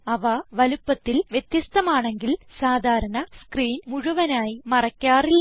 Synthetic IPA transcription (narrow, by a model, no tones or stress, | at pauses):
ɐʋɐʋɐlupːɐt̪ːilʋjet̪jɐst̪ɐmaːɳe̞ŋɡilsaːd̪ʱaːɾɐnɐskriːnmuɻuʋɐnaːjimɐrɐkʲːaːrilː